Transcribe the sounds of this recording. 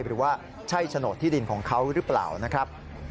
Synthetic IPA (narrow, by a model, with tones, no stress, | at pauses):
jɾɯː˩˦waː˥˩ | t͡ɕʰa˥˩jt͡ɕʰa˧no˨˩t̪ʰːiː˥˩di˧nkʰɔ̰ː˩˦ŋkʰa˦˥wɾɯː˦˥pla̰ː˨˩wna˦˥kʰɾa˦˥p̚